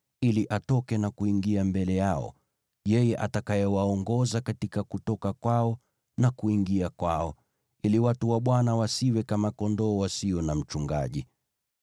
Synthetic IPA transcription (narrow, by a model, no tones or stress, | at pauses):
iliʔatɔkɛnakuiŋɡiambɛlɛjaɔ̰ | jɛjɛʔa̰takajɛwaɔŋɡɔzakatikakutɔkakwaɔ | nakuiŋɡiakwaɔ | iliwatuwaɓwanawasiwɛkamakɔndɔːwasiɔnam̩t͡ʃuŋɡa̰ʄi